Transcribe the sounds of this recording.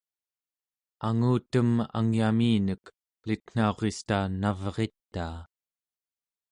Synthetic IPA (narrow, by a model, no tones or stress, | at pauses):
aŋuːt̪əma̰ŋjamiːnək | lit̪n̥ao̞ʁest̪anavʁe̞t̪ːaː